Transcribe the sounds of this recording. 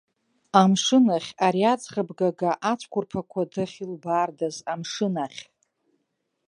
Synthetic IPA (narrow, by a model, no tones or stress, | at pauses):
amʂɨnaχʲaɾiat͡sχəbɡaɡaʔat͡ʃʷʰkʷʰʊrpʰakʷʰadɨχʲilbaːrdazamʂɨnaχʲ